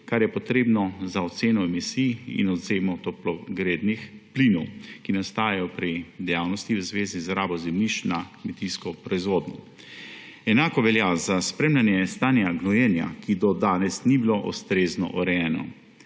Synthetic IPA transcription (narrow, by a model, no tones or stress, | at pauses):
kaɾjɛpɔt̪ɾeːbnɔzaɔt̪seːnɔɛmisiːjḭnɔd̪zeːmɔt̪ɔplɔɡɾeːd̪nixplinɔwkinast̪aːjɛjɔpɾid̪ɛjaːwnɔst̪iwəzʋeːzizɾaːbɔzɛmniʃnakmɛt̪iskɔpɾɔizʋoːd̪nɔ | ɛnaːkɔʋɛljazaspɾemlʲanjɛst̪aːnjaɡnɔjɛnja̰kid̪ɔd̪aːnɛsnibiloʔɔ̰st̪ɾeːznɔ̰ʔɔɾɛjɛːnɔ̰